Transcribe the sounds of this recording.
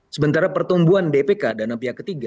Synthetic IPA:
səmənt̪aɾapərt̪umbuandepekadanampiɦakət̪iɡa

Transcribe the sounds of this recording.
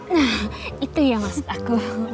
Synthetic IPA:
nait̪ujaŋast̪aku

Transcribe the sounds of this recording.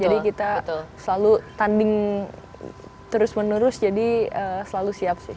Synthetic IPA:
d͡ʒadikit̪at̪səlalut̪andɪŋ | t̪əɾʊsmənuɾʊsd͡ʒadiəsəlalusiap̚sɪh

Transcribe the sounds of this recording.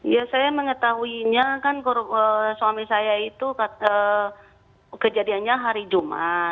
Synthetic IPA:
jasajaməŋət̪aɦuiɲakankɔɾəsuwamisajait̪ukaə | kəd͡ʒadianɲaɦaɾid͡ʒuma̰

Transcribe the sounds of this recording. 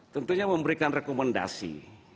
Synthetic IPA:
t̪ənt̪uɲaməmbəɾikanrekomanda̰sḭ

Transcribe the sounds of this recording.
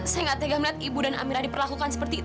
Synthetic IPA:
səŋat̪ːeɡahmilat̪ibudana̰miɾadipərlakukansə̥pərt̪i

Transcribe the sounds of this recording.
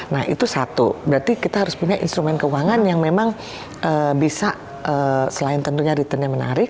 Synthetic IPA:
nahḭt̪usat̪ubəɾart̪ikit̪aɦaɾʊspuɲajḭnst̪ɾumɛnkəuaŋanjaŋmemaŋ | ʔəbisa | əːsəlaɪnt̪ənt̪uɲaɾit̪ənɲaməna̰ɾɪk̚

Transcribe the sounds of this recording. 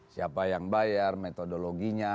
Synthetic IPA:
siapajaŋbajarmet̪odoloɡiɲa

